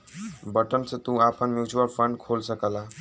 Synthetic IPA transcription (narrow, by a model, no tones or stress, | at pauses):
bəʈənsʌ̃t̪ũapʰənmjut͡ʃuəlpʰəɳɖkʰolsəkəla